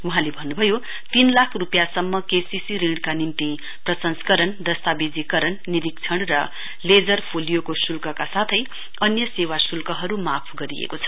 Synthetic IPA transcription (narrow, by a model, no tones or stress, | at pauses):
uɦãlebʱʌnːubʱʌjo | t̪inlakʰrupjasʌmːʌkesisiɾĩɽkanint̪i | prʌsʌnskʌɾʌnd̪ʌst̪abed͡zikʌɾʌnːiɾik̚t͡sʰʌɽrʌ | led͡zʌrpʰolijokosulkʌkasat̪ʰʌj | ʌnjʌsewasulkʌɦʌɾumapʰɡʌɾijḛkot͡sʰʌ̥